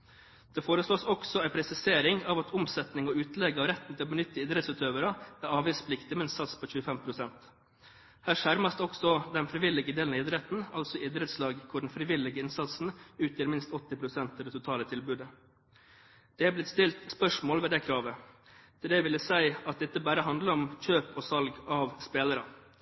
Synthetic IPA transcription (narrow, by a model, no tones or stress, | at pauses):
d̪̥ɛfoːɾəsloːsɔksɔæɪpʰɾɛsɪseːɾɪŋɑʋɑt̪ʰʊmsɛt̪nɪŋɔʉːt̪lɛɡɑʋɾɛt̪n̩t̪ʰɪlɔbənʏt̪ːəɪd̪ɾɛt̪sʉːt̪ʰøːʋəɾɑæɾɑːʋiːspʰlɪkt̪ɪmɛɪnsɑt̪spʰoːçʉːəfɛmpʰɾʊsɛnt̪ | hæːʂæɾmɑsd̪ɔksɔd̪ɛnfɾɪʋɪlːɪɡəd̪eːlnɑɪd̪ɾɛt̪n̩ɑ̰lsɔʔɪd̪ɾɛt̪slɑːɡkʰʊɖɳn̩fɾɪʋɪlɪɡəɪnsɑt̪sn̩ʉːt̪jəːɾmɪnst̪ɔt̪ːɪpʰɾʊsɛnt̪ɑʋd̪ɛt̪ʰʊt̪ʰɑːlət̪ʰɪlbʉːd̪ə | d̪̥ɛɑblɪt̪st̪ɪlt̪spœʂmoːlʋɛd̪ɛkʰɾɑːʋə | d̪ʰɪd̪ɛʋɪlːəsæɪɑt̪̚d̪ɛɪt̪ːəbæːɾəɦɑnd̪ləɾɔmc͡çøːpɔsɑlɡɑʋspeːləɾɑ